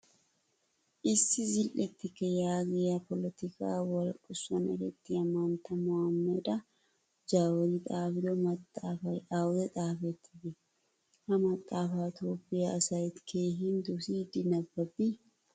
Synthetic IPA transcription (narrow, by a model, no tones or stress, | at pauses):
ʔɪsːɪzɪlʔɛt̪ːɪkɛjaːɡɛɐpɔlɛt̪ɪka̰ːwɐlkʼʊsːɐnɛ̰ɾɛt̪ːɪɐmaːnt̪ɐmɔɐmːɐd̪ɐ | d͡ʒaːwɔɾit̪ʼaːbɪd̪ɔmɐt̪ʼːaːfɐᶑaːwd̪ɛt̪ʼaːfɛt̪ːɪ̥dɛ | hɐmɐt̪ʼːaːfaːt̪oːpʼːɪjaɐsɐjɪt̪kʰeːɦind̪ʊsid̪ɪnɐbːɐbi